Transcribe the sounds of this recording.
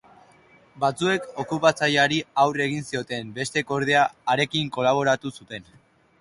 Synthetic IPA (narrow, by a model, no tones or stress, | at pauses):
bat͡sue̞ko̞kupat͡sajaɾiawre̞ɣ̞insio̞t̪e̞mbe̞st̪e̞ko̞ɾð̞e̞aːɾe̞kiŋko̞laβ̞o̞ɾat̪usut̪e̞n